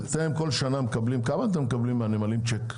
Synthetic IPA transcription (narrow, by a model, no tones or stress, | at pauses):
t͡seemko̞lʃanamekablimkamaːt̪emːekablimːeanemalimt͡ʃek